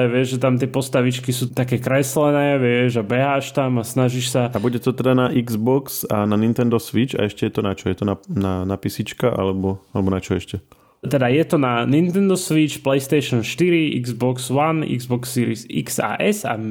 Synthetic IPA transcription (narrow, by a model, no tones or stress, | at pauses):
ɛʋɪɛʒʒɛt̪amt̪ɪɛpɔst̪aʋit͡ʃkisuːt̪akɛːkɾɛslɛnɛːʋɪɛʒabɛɦaːʃt̪amasnaʒiʃsaabuɟɛt̪ɔt̪ɛd̪anaʔiɡzbɔksananint̪ɛnd̪ɔsʋit͡ʃa̰ɛʃcɛjɛt̪ɔnat͡ʃɔjɛt̪ɔnananapisit͡ʃkaʔa̰lɛbɔalɛbɔnat͡ʃɔɛʃcɛ | t̪ɛd̪ajɛt̪ɔnanint̪ɛnd̪ɔsʋit͡ʃplɛjst̪ɛjʃɔnʃt̪iɾiʔḭɡzbɔksʋanḭɡzbɔksːiːɾisḭksa̰ːʔɛsa̰